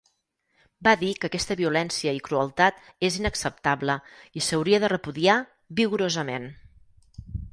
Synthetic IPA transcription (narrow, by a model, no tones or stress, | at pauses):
baðikəkɛst̪əβiulɛnsiəikɾuəlˠt̪at̪ezinəksəp̚t̪abləisəwɾiəðərəpuðia | βiɣuɾozəmen